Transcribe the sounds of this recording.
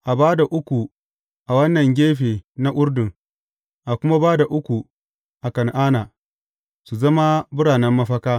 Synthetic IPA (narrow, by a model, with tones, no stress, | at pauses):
ʔa˨baː˦da˨ʔʊ˦kʷu˨ | ʔa˨wɐ˦nːɐ˨ŋɡʲeː˦ɸeː˨na˦ʔʷʊ˦ɾdʊ˨ŋ | ʔa˨kʷʊ˦ma˦baː˦da˨ʔʊ˦kʷu˨ | ʔa˨kɐ˨nʔaː˦naː˨ | su˨zɐ˦ma˦bʊ˦ɽaː˨nɛ˦mːɐ˦ɸɐ˦kaː˦